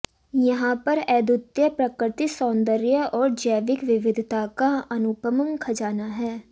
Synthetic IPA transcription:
jɐɦãpɐɾɛːd̪ʊt̪jəpɾɐkɾɪt̪isɔ̃ːnd̪əɾjəɔːɾd͡ʒəjʋɪkʋɪʋɪd̪ʱt̪akaɐnʊpəməŋkʰɐd͡ʒaːnaɦɛː

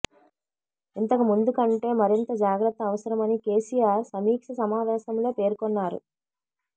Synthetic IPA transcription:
int̪ɐkumund̪ukɐɳʈe̞ːmɐɾint̪ɐd͡ʒaːɡɾɐt̪ːɐːʋɐsɐɾɐmɐnike̞ːsijaːɾsɐmiːkʂɐsɐmaːʋɛːsɐmlo̞ːpe̞ːɾkɔnːaːɾṵ

